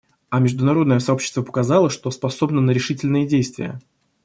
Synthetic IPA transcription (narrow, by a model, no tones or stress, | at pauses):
ɐmʲɪʐd̪ʊnɐɾo̞d̪nəjəsɐo̞pɕːɪst̪vəpə̥kɐzɑlˠəʂt̪o̞spɐso̞bnənəɾʲɪʂɨtʲɪlʲnɨjədʲejst̪vʲɪ̰jə̰